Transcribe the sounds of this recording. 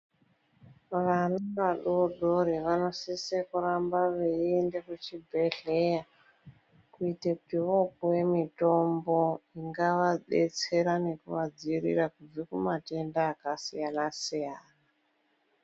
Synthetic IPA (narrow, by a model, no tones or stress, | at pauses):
ʋanaʋaɗoɗo̞ɾiʋano̞sisekuɾambaʋeendekut͡ʃibʱeɬeja | kuitekutiʋokuje̞mito̞mboiŋɡaʋaɗet͡se̞ɾane̞kṵʋad͡ziɾḭrakud͡zikumate̞ndaːkasijanasijaːna